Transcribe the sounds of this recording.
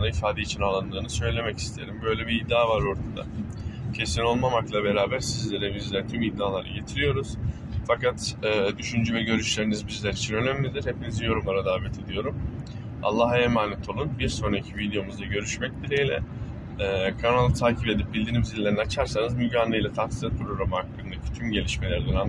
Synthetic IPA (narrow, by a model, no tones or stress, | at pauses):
naifaːd̪eit͡ʃʰinalˠand̪ɯːnɯsø̞jlʲe̞mɛci̥st̪ʰeeɾimbø̞jlʲebiːd̪ːaːvaɾoɾt̪ʰad̪a̰ | cʰe̞sino̞lˠmamaklˠabe̞ɾaːbæɾsizlʲe̞ɾɛbizlʲɛɾɛt̪ʰymid̪ːaːlˠaɾa̰ɟe̞t̪ʰiɾijo̞ɾuz̥ | fakat̪ɛːd̪yʃynd͡ʒyvɛɟø̞ɾyʃlʲe̞ɾinizbizlʲæɾit͡ʃʰinø̞næmlʲid̪iɾhe̞pinizijo̞ɾumaɾad̪aːvɛt̪ʰe̞d̪ijo̞ɾum | a̰lˠːaɦemaːnɛt̪ʰolˠunbiɾso̞nɾacʰivid̪ejo̞muzd̪aɟø̞ɾyʃmɛc̚d̪iɾejlʲɛ̰ | ɛːkʰanalˠɯt̪ʰaːcʰipe̞d̪ip̚bild̪iːnimizilʲːeɾinat͡ʃʰaɾsanɯzmyɟaːnejlʲat̪ʰansizapʰɾo̞ɾamɯaklˠaɾɯnd̪acʰi̥t̪ʰymɟe̞lʲiʃme̞lʲæɾd̪ɛna